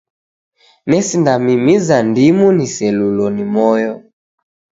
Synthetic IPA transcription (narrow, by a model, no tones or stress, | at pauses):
nɛsindamimizandimunisɛlulɔnimɔjɔ